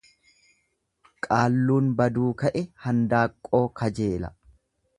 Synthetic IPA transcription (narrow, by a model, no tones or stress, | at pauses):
kʼaːlːuːnbɐd̪uːkɐʔɛhɐnd̪aːkʼːo̞ːkʰɐd͡ʒe̞ːlɐ̰